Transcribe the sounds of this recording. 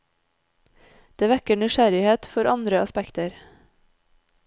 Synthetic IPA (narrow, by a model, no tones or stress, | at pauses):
d̪̥eːʋækəɳʏʃæɾɪheːt̪fɔɾɑnd̪ɾəʔɑspækt̪əɾ